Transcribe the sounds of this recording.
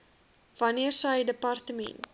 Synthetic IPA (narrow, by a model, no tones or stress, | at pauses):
vɐniərsəjdəpɐrtəmɛ̰nt̚